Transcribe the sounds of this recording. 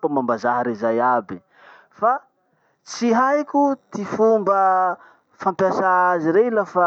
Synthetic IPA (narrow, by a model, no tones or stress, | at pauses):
amambazaɦaɾezajabi | fa | t͡siɦajkʲut̪ifumbə | fampjasaaziɾeilafa